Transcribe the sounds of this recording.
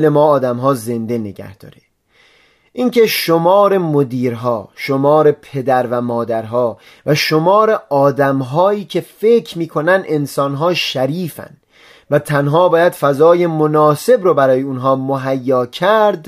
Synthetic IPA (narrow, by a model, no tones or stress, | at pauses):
le̞mɒːd̪æmɦɒːze̞nd̪e̞ne̞ɡæ̰hd̪̥ɒ̰ːɾe | ʔince̞ʃomɒːɾe̞mod̪iːɾɦɒːʃo̞mɒːɾe̞pʰe̞d̪æɾvæmɒːd̪æɾɦɒː | væʃo̞mɒːɾeʔɒːd̪æmɦɒːiːcʰe̞fecʰɾmiːkʰo̞nænd̪e̞nsɒːnɦɒːʃæɾiːfæ̰nd̪ | væt̪ʰænɦɒːbɒːjæd̪̥fæzɒːje̞monɒːse̞bɾobæɾɒːjeunɦɒːmoɦæjːɒːcʰæɾd̪